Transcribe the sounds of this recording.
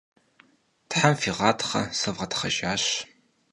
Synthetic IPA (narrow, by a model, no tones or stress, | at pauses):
tħamfiʁɑːtʰχɐ̰sɐvʁɐtʰχɐ̰ʒaːɕ